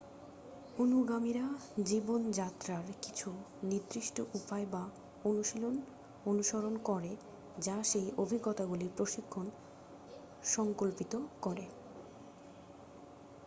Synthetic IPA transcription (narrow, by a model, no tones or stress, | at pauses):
onuɡamiɾad͡ʑibond͡ʑat̪ɾaɾkit͡ɕʰu | nid̪ɾiʃʈoʔupaeba | onuʃilon | onuʃoɾonkɔɾe | d͡ʑaʃejʔobʱiɡɔt̪aɡuliɾpɾoʃikʰːon | ʃɔŋkolpit̪okɔɾe